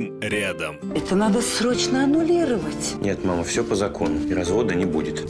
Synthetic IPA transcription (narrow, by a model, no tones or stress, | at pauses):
mɾʲad̪əmɛt̪ənad̪əsɾo̞t͡ɕnəɐnʊlʲiɾəvətʲnʲe̞t̪maməfsʲopəzɐko̞nʊɪɾɐzvo̞d̪ənʲɪbudʲɪt̪